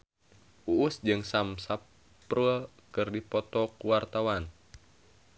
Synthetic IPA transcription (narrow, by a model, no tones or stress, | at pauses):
uʔːsd͡ʒɨŋsamsa | pru | kɨrdipɔt̪ɔkuwart̪awan